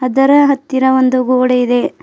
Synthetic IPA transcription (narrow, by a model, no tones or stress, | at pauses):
ɦɐd̪ɐɾɐɦɐt̪ːiɾɐʋond̪uɡoːɽeid̪e̞